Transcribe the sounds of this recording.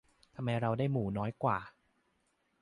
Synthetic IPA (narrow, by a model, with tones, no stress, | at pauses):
t̪ʰa˧mːa˧jɾa˧wdaː˥˩jmuː˩˦nɔː˦˥jkwaː˨˩